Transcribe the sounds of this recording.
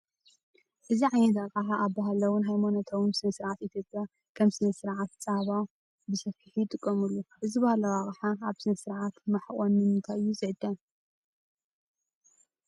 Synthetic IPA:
ʔɨziʕajnɐt̪akʼaħaʔːbaɦalɐwʊnɦajmonot̪ʰowɨnsɨnɐsɨɾʕat̪it̪ʰjo̞pʼja | kʰɐmsɨnɐsɨɾʕat̪̚t͡sʼaβa | bɨsɐfiħijt̪ʼɨkʼːɐmulːuʔɨzibahalɐwaχʼɐħaaβsɨnɐsɨɾʕat̪mɐħχʼonːɨmɨnt̪ʰajjuzɨʕɨd̪ːɐ

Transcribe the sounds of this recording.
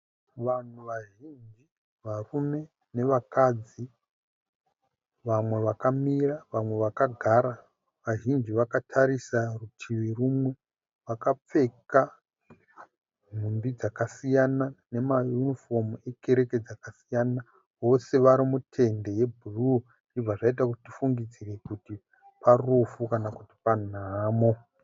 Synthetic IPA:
ʋan̤uʋaʒind͡ʒi | ʋarume̞ | ne̞ʋakad͡zi | ʋamwe̞ʋakamiraʋamwe̞ʋakaɡʱaɾa | ʋaʒind͡ʒiʋakatʰaɾisarutʰiʋirumwe̞ | ʋakap͡fe̞ka | ɦumbid͡zakasijanane̞majunifo̞mueke̞ɾe̞ked͡zakasijana | wo̞se̞ʋaɾimutʰe̞nde̞je̞bʱuru | nd͡ʒib͡vaʐait̬akutifuŋɡid͡zire̞kuti | parufukanakuti̥pan̤aːmo

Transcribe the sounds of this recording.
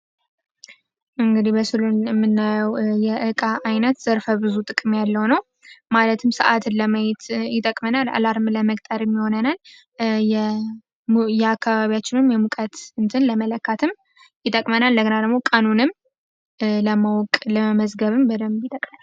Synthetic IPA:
ʔɨŋɡɨd̪ihbəsɨlunɛmːɨnːajəwjɛʔɨkʼaʔajnət̪z̥əɾfəbɨzut̪ʼɨkʼɨmjalːəwnəw | malət̪ʰɨmsəʔat̪ʰɨnləməjɛt̪jɪt̪ʼəkʼmənala̰laɾɨmləməkʼt̪ʼəɾjɛmːiho̞nənal | jɛ | jɛakʰːaβaβijat͡ʃːɪnɨmjɛmukʼət̪ɨnt̪ʰɨnləmələkːat̪ʰɨm | jɪt̪ʼəkʼmənald̪əɡənad̪əɡmo̞kʼənunɨm | ləmawkʼləəməzɡəβɨmbəd̪əmjɪt̪ʼəkʼmənal

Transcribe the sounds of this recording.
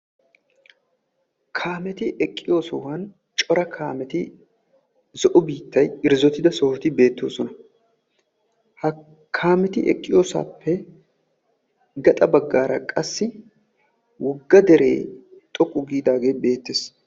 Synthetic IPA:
kʰaːmɛt̪ɪʔɛkʼːɪjo̞ːsɔwɐn | t͡ʃʼɔɾɐkʰaːmɛt̪ɪ | zɔʔɔbiːt̪ːɐjɪɾzɔt̪ɪd̪ɐsɔhɔt̪ɪbe̞ːt̪ːo̞̰ːsɔnɐ | hɐ | kʰːaːmɛt̪ɪʔɛ̰kʼːɪjo̞ːsa̰ːpʰːɛ | ɡɐt̪ʼɐbɐɡːaːɾɐkʼɐsːɪ | wɔɡːɐd̪ɛɾḛːt̪ʼɔkʼːʊɡiːd̪aːɡe̞ːbe̞ːt̪ːeːs

